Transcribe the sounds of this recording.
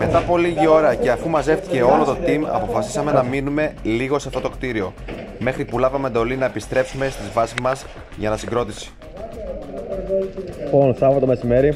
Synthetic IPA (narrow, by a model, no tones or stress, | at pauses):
me̞t̪ɐpo̞liʝio̞ɾɐce̞ɐfumɐze̞ft̪i̥ce̞o̞lo̞t̪o̞t̪imɐ̰po̞fɐsi̥sɐme̞nɐminume̞liɣo̞seɐft̪o̞t̪o̞kt̪iɾio̞me̞xɾipulɐvɐmend̪o̞linɐepist̪ɾe̞psume̞st̪izvɐsizmɐzs | ʝɐnɐsiɡɾo̞t̪isi̥ | ponθɐpot̪ome̞sime̞ɾi